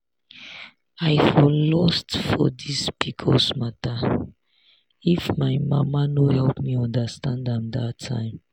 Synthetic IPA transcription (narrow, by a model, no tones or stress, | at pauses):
ajfɔlɔstfɔdispikʰɔsmata | ifmaɪmamanohɛlpmiɔ̃ndəstãndãmdatʰã̰ɪ̃m